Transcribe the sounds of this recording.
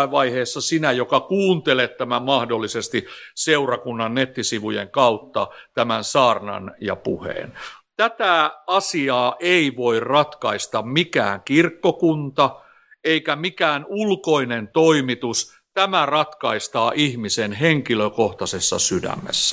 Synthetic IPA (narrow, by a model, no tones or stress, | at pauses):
ʋɑiheːsːɑsinæjokɑkuːnt̪elet̪tæmæmɑhdolːisest̪iseurɑkunːɑnnet̪ːisiʋujḛŋkɑut̪ːɑ̰t̪æmænsɑːrnɑ̰njɑ̰puhḛːnt̪æt̪æɑsiɑːʔeiʋoirrɑt̪kɑist̪ɑmmikæ̰ːŋkirkːokunt̪ɑ | eikæmikæːnulkoinent̪oimit̪us | t̪æmærɑt̪kɑist̪ɑːʔihmisenɦeŋkiløkoht̪ɑsesːɑ̰sydæ̰mːḛsːæ̥